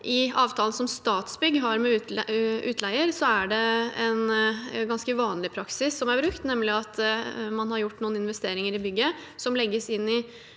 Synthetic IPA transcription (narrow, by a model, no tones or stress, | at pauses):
ʔɪɑːʋt̪ʰɑːlən̩sɔmst̪ɑːt̪sbʏɡːɦɑɾmɛʔʉːt̪ʰlæɪəɾsɔæɖɛɛnɡɑnskəʋɑːnlɪpʰɾɑksɪsːɔmæɾbɾʉk̚t̪nɛmlɪɑt̪mɑnhɑɾjʊʈːnuːnɪnʋɛst̪eːɾɪŋəɾɪbʏɡːə | sɔmlɛɡːəsɪnːɪ